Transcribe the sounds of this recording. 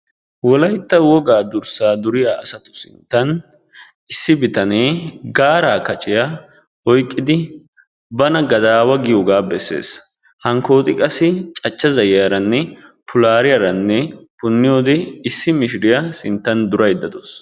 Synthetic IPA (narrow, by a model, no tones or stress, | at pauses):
wɔlɐjt̪ːɐwɔɡaːd̪ʊɾsaːd̪ʊɾɪjaːɐsɐt̪ʊ̥sɪ̰nt̪ːɐn | ɪsːɪbɪt̪ɐneːɡaːɾaːkɐt͡ʃʼɪja | ɔjkʼːɪd̪ɪ | bɐnɐɡɐd̪aːwɐɡɪjoɡaːbɛsːḛːs | hɐŋko̞ːt̪ʼɪkʼɐsːɪt͡ʃʼɐt͡ʃːɐzɐjjɐɾɐnːɛpʰʊlaːɾɪjɐɾɐnːɛpʊnːɪjoːd̪ɛɪsːɪmɪʃɪɾɪjasɪnt̪ːɐnd̪ʊɾɐjd̪ːɐd̪ɔs